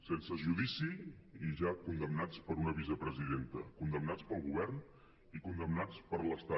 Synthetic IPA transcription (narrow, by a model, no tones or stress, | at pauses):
sensəʒuðisiiʒakund̪əmnat͡spəɾunəβizəpɾəziðent̪əkund̪əmnat͡spəlˠɣuβɛrn | ikund̪əmnat͡spəɾləst̪a